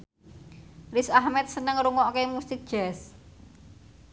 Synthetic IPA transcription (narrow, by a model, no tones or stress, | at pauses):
risahmɛt̪̚sənəŋɾuŋɔʔkemust̪ɪk̚d̥ʒ̥ɛs